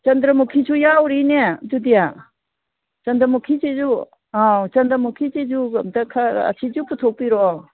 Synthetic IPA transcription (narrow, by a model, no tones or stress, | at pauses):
t͡ʃɐnd̪ɾɐmukʰisʰujawɾined͡ʒud̪ija | t͡ʃɐnd̪ɾɐmukʰit͡ʃed͡ʒu | at͡ʃɐnd̪ɾɐmukʰit͡ʃezumt̪ɐkʰaɐ̰sʰid͡ʒuput̪ʰowpiɾɔ